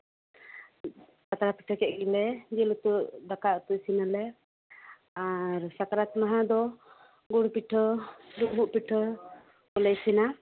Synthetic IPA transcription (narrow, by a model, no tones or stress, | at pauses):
kat̪aɾapi̥ʈʰəkɛʔɡilɛd͡ʒɛlut̪uʔd̪akaʔt̪uʔsinalɛ | aɾsakaɾat̪maɦad̪ɔ | ɡuɽpiʈʰəɖuʔ̚buʔpiʈʰə | kɔlɛjsina